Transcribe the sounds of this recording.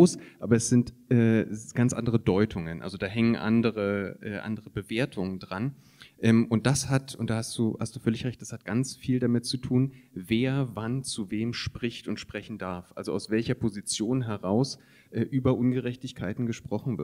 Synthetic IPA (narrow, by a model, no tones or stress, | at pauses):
oːsʔa̰ːbɐɛsz̥ɪntʔɛːɡ̥ant͡sʔa̰ndəʁ̞ədɔʏtʰʊŋənʔa̰lzodaːɦɛŋənʔa̰ndəʁəʔɛ̰ːʔa̰ndəʁəbəveːɐtʰʊŋəndʁan | ʔɛːmʔʊnt̚d̥ashatʊntd̥aːhastd̥uːha̰std̥uːfœlɪçʁɛçtd̥ashat̚ɡ̥ant͡sfiːldamɪtt͡sutʰuːnveːɐvant͡suveːmʃpʁ̥ɪçtʊntʃpʁ̥ɛçn̩daɐfʔa̰lzoʔa̰ʊsv̥ɛlçɐpʰozit͡sjoːnɦɛʁaʊs | ʔɛːʔyːbɐʔʊnɡəʁɛçtɪçkʰaɪtn̩ɡəʃpʁ̥ɔχn̩vɪ̰ɐt